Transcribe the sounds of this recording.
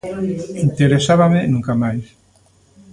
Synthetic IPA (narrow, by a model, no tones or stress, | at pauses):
int̪eɾesaβamɪnũŋkamajs